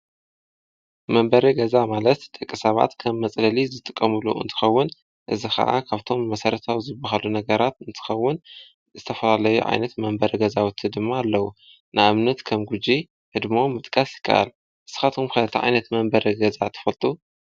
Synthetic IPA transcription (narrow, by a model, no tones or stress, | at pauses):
mɐmbɐɾiɡɐzamalɐt̪t̪ʼɐkʼːisɐβa̰t̪kʰɐmːɐt͡sʼlɐlizɨt̪ʼɨkʼːɐmɨlṵʔɨ̰nt̪ʰɨ̥xɐwːɨn | ʔɨzixɐ̰ʔa̰kʰaβt̪ʰo̞mːɐsɐɾɐt̪ʰawzɨbːɐɦalunɐɡɐɾat̪ɨnt̪ʰɨ̥xɐwːʊn | zɨt̪ʰɐfɐlalɐjuʕa̰jnɐt̪mɐmbɐɾiɡɐzawut̪ʰɨd̪ɨmːaːlːɐwu | nɨaβnɐt̪kʰɐmɡud͡ʒi | hɨd̪momːɨt̪ʼkʼɐsjɪkʰːɐ̰ʔa̰l | ʔɨsɨ̥xat̪ʰumkʰɐlɐt̪ʰɐʕa̰jnɐt̪mɐmbɐɾiɡɐzat̪ʰɐ̥fɐlt̪ʼu